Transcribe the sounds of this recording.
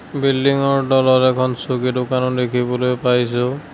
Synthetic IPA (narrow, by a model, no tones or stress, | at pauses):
bilːiŋɔɹdɔlɔtɛkʰɔnsoɡidokanɔdekʰibɔlojpajs̬ʊ